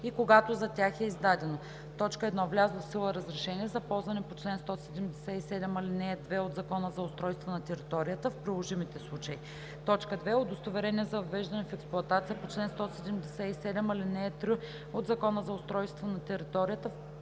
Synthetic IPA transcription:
ikoɡat̪ozɐt̪ʲaxɛizd̪ad̪ɛno | t̪ɔt͡ʃkəɛd̪nɔvlʲazofsilˠəɾɐzɾɛʃɛniɛzɐpɔlˠzvɐnɛpot͡ʃlɛnst̪ɔsɛd̪ɛmd̪ɛsɛisɛd̪ɛmɐlinɛːd̪vɛod̪zɐkɔnəzɐʊst̪ɾɔjst̪vonɐt̪ɛɾit̪ɔɾijət̪əfpɾilˠoʒimit̪ɛslˠut͡ʃəi | t̪ɔt͡ʃkəd̪vɛod̪ost̪ovɛɾɛniɛzɐvɐvɛʒd̪ɐnɛfɛksplˠuʊɐt̪at̪sijəpot͡ʃlɛnst̪ɔsɛd̪ɛmd̪ɛsɛisɛd̪ɛmɐlinɛːt̪ɾi | od̪zɐkɔnəzɐʊst̪ɾɔjst̪vonɐt̪ɛɾit̪ɔɾijət̪əf

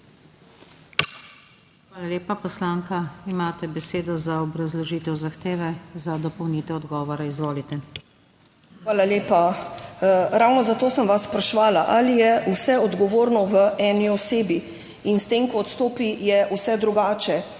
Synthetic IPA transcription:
xʋaːlaleːpapɔslaːŋkaimaːt̪ɛbɛseːd̪ɔzaɔbɾazlɔʒiːt̪ɛwzaxt̪eːʋɛzad̪ɔpɔwnit̪ɛɔd̪ɡɔːʋɔɾaizʋoːlit̪ɛ | xʋaːlaleːpa | ɾawnɔzat̪oːsəmʋaspɾaʃʋaːlaʔalijɛusɛɔd̪ɡɔʋoːɾnɔʋəʔɛːniɔseːbi | inst̪eːmkɔːt̪st̪oːpijɛusɛd̪ɾuɡaːt͡ʃɛ

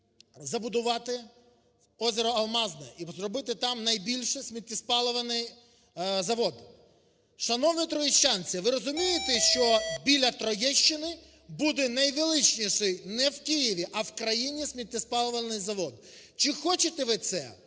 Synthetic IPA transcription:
zɐbʊd̪ʊʋɑt̪ɪ | ɔzʲeɾɔɐlˠmɑznɛʔizrɔbɪt̪ɪt̪ɑmnɐjbʲilʲʃɛsʲmʲit̪ʲnʲɪspɑlˠɔʋɐnɪj | zɐʋɔd̪ | ʃɐnɔwnʲɪt̪ɾɔjiʃt͡ʃanʲt͡sʲɐʋɪɾɔzʊmʲijɪt̪ɛʃt͡ʃɔbʲilʲɐt̪ɾɔjɛʃt͡ʃːɪnɪ | bud̪ɛnɐjʋɪlˠɪt͡ʃnʲiʃɪjnɛwkijiʋʲiʔɐwkɾɐjinʲisʲmʲit̪̚ʲnʲɪspɑlˠɔʋɐnɪjzɐʋɔd̪t͡ʃɪxɔt͡ʃɪt̪ɛʋɪt̪sɛ̰

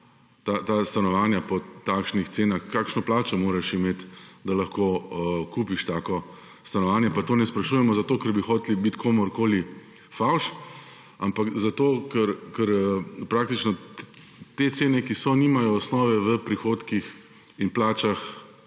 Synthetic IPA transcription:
t̪at̪ast̪anɔʋaːnjapɔt̪aːkʃnixt̪seːnaxkaːkʃnɔplaːt͡ʃɔmoːɾɛʃimeːt̪d̪alɐxkoːkuːpiʃt̪aːkɔ | st̪anɔʋaːnjɛpat̪oːnɛspɾɐʃujɛmɔzat̪oːkəɾbixɔːt̪elibit̪kʰoːmɔɾkoːli | fawʃ | ampakzat̪oːkɛɾkəɾpɾaːk̚t̪it͡ʃnɔ | t̪et̪seːnɛkisɔnimajɔːsnɔːʋɛʋəpɾixoːt̪kix | inplaːt͡ʃax

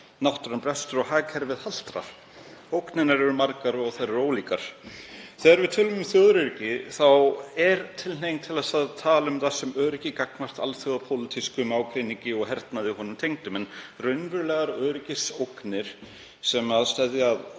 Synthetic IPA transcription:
nawht̪ʏɾanpɾɛst̪ʏɾɔɣhɦaːkʰɛɾvɪðhal̥t̪ɾa̰ɾ̥ | owknɪnaɾɛɾʏmaɾkaɾɔɣθaðɾɛɾoːwliːkaɾ̥θɛːɣaɾvɪðt̪ʰɪːlʏmʏmθjœðʏɾɪɾcɪθawɛɾt̪ʰɪlnejnt̪ʰɪlasaðt̪ʰaːlʏmθḁsɛmœːɾɪcɪkak̚nar̥t̪a̰lθjœðapʰolɪt̪ʰiskʏmaːwkʰɾɪniŋɲcɪɔɣɦɛɾt̪naðɪɦɔnʏmt̪ʰejŋt̪ʏmɛnrœɥnvʏɾlɛːɣaɾœːɾɪcɪsowknɪɾ̥ | sɛmaðst̪ɛðjað

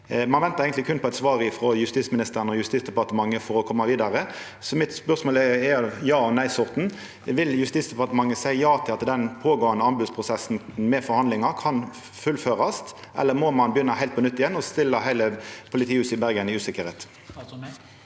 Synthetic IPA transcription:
mɑnʋɛnt̪əeɪɡənt̪lɪkʰʉnpɔɛt̪sʋɑːʁɪfɾɔjʉst̪iːtsmɪnɪst̪əʁənəɔjʉst̪iːtsd̪ɛpɑʁt̪əmɑŋːəfɔɾɔkʰɔmːɑʋiːd̪ɑʁə | sɔmɪt̪spœʁsmoːlɛɛɑjɑːɔnæɪsʊʁt̪n̩ | ʋɪljʉst̪iːsd̪ɛpɑʁt̪əmɑŋːəsæɪəjɑːt̪ʰɪlɑt̪d̪ɛnpʰoːɡoːənəɑnbʉːd̪spʰʁʊsɛsn̩mɛfɔɾhɑnd̪ɪŋɑkʰɑn | fʉlføːʁɑst̪ʔɛ̰lːəmɔmɑnbəjʏnːɑɦæɪlt̪pʰɔnʏt̪ːɪjɛnɔst̪ɪlːəɦæɪləpʰʊlɪt̪ʰiːʉːsəɪbæʁɡənɪʉːsɪkːəɾheːt̪

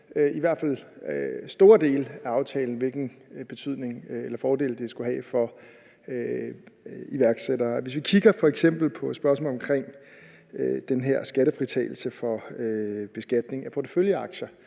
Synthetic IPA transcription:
øiʋæɐd̥fæl̰ | sd̥o̝ːɐd̥e̝̰ːlæɑ̈ʊt͡sʰɛ̰ːln̩ʋe̝lɡ̥n̩b̥e̝t͡sʰyð̞̰ˠne̝ŋelɐfɒːde̝̰ːld̥e̝sɡ̥uɦɛ̰ːfɒ̽ | ø | iʋæɐɡ̥sed̥ɐːʋe̝s̬ʋikʰiɡ̥ɐfɒ̽eɡ̥sem̰b̥l̩pʰɒ̥̽sb̥ɶɐsmɔ̰ːlɒ̽mkʰʁeŋ̰ | ød̥enɦeɐ̰sɡ̥æɾəfʁit͡sʰɛ̰ːɪl̩səfɒ̽øb̥e̝sɡ̥æd̥ne̝ŋæpʰɒt͡sʰə̥føljəɑ̈ɡ̥ɕɐ

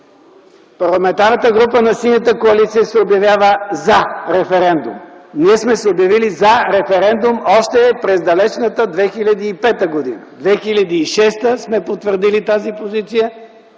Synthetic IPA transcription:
pɐɾlˠɐmɛ̃nt̪aɾnət̪əɡɾupənɐsinʲət̪əkoɐlit̪sijəsɛobjɐvjavəzaɾɛfɛɾɛnd̪ṵmniɛsmɛsɛobjɐvilizɐɾɛfɛɾɛnd̪umɔʃt̪ɛpɾɛzd̪ɐlɛt͡ʃnət̪əd̪vɛxilʲɐd̪iːpɛt̪əɡod̪ḭnəd̪vɛxilʲɐd̪iːʃɛst̪əsmɛpot̪vəɾd̪ilit̪azipozit̪sijə

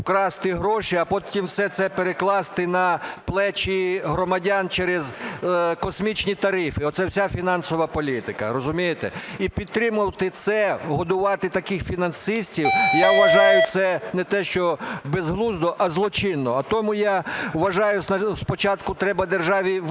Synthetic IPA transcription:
kɾɑst̪ɪɦɾɔʃiɐpɔtʲimwsɛt̪sɛpeɾeklˠɑst̪ɪnɐplˠɛt͡ʃiɦɾɔmɐdʲant͡ʃɛɾezkɔsʲmʲit͡ʃnʲit̪ɐɾɪfɪɔt̪sɛwsʲafʲinɑnsɔʋɐpɔlʲit̪ɪkɐ̰ɾɔzʊmʲijet̪ɛ̰ipʲid̪̚t̪ɾɪmʊwt̪ɪt̪sɛɦɔd̪ʊʋɑt̪ɪt̪ɐkɪxfʲinɐnsɪsʲtʲiwjawʋɐʒɑjʊt̪sɛnɛt̪ɛʃt͡ʃɔbezɦlˠuzd̪ɔʔɐzlˠɔt͡ʃɪnːɔɐt̪ɔmʊjaʋɐʒɑjʊsɐspɔt͡ʃɑt̪kʊt̪ɾɛbɐd̪erʒɑʋʲi

